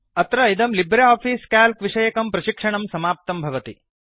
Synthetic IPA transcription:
ɐt̪ɾɐid̪ɐmlibɾeaːpfʰiːskaːlkʋiʂɐjɐkɐmpɾɐʃikʂɐɳɐmsɐmaːp̚t̪ɐmbʱɐʋɐt̪i

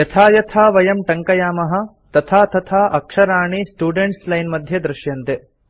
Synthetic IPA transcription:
jɐt̪ʰaːjɐt̪ʰaːʋɐjɐmʈɐŋkɐjaːmɐɦɐ̆ | t̪ɐt̪ʰaːt̪ɐt̪ʰaːʔɐkʂɐɾaːɳisʈuːɖeɳʈslɐjnmɐd̪ʱjɐd̪ɾuʃjɐnt̪e

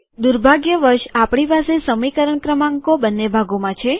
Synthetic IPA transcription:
d̪uɾbʱaɡjəʋəɾʃapɳ̃ipasesəmikəɾəɳkɾəmãŋkobənːebʱaɡomãt͡ʃʰe

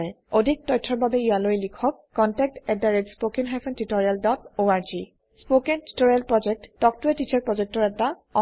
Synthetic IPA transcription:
ɹɛ | odʱik̚tɔjtʰːɔɹbabɛijalojlikʰɔkːɔntɛk̚tɛdaɹed͡ʒspokinɦapʰɛntitɔɹialdɔtoaɹzi | spokenti̥toɹijalpɹɔd͡ʒɛk̚tːɔk̚tʊɛtit͡ʃʰaɹpɹɔzɛk̚tɔɹɛta | ɔ

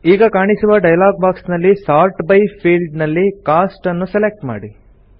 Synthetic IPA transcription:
iːɡɐkaːɳisuʋɐɖɐjlaːɡ̚baːksnɐlːisaːɾʈbɐjpʰiːlɖnɐlːikaːsʈɐnːuselek̚ʈma̰ːɽi

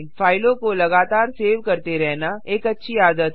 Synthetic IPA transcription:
faːɪlõkolɐɡaːt̪aːɾseːʋkɐɾt̪eɾɛɦnaʔeːkɐtːʃʰiaːd̪ət̪

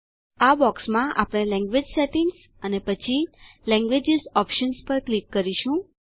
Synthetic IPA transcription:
abɔksmãʔa̰pɽ̃elɛ̃ŋɡʋed͡ʒsɛʈiŋɡs | ənepət͡ʃʰilɛ̃ŋɡʋed͡ʒizɔpʃənspəɾklikːəɾiʃũ

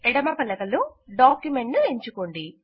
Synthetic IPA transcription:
ɛɽɐmaːpɐlːɐkɐluɖaːkjumeɳʈnueɲt͡ʃukoɳɖi

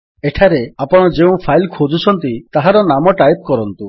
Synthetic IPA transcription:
eʈʰaɾeapɔɽ̃ɔd͡ʒeũpʰajlkʰod͡ʒut͡ʃʰɔnt̪it̪aɦaɾɔnamɔʈajp̚kɔɾɔnt̪u

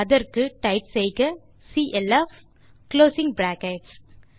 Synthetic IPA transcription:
ɐðɐɾkɯʈɐɪpsɛjɣɐ | siːʔɛlɐːf | kloːsɪ̃ŋɡbɾaːkɐɪʈs

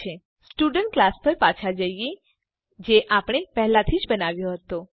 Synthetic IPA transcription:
e | sʈuɖəɳʈ̚klaspəɾpat͡ʃʰad͡ʒəjje | d͡ʒeʔapɽ̃epɛɦlat̪ʰid͡ʒbənaʋjoɦət̪o

